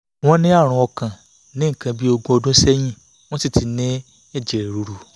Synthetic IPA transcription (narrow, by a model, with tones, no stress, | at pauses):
w̃ɔ̃˦nĩ˦a˦˨ɾ̃ũ˧˦ɔ˧kã˨ | nĩ˦ŋ̩˨kã˧bi˦o˧ɡũ˦o˧dũ˦sɛ˦j̃ĩ˦˨ | w̃ɔ̃˦si˦˨tʰi˨nĩ˦ | e˦˨d͡ʒe˨ɾɾu˨ɾu˨